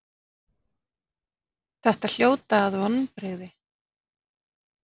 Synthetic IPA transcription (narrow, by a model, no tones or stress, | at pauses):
θɛht̪al̥joːwt̪aːðvɔnːpɾɪɣðɪ